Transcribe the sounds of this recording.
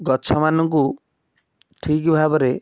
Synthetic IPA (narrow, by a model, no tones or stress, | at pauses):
ɡɔt͡ʃʰɔmanɔŋku | ʈʰikbʱabɔɾe